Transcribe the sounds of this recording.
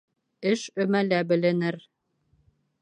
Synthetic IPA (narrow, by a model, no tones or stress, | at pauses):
ɘʃɵ̆mælæbɘ̆lɘ̆nɘɾ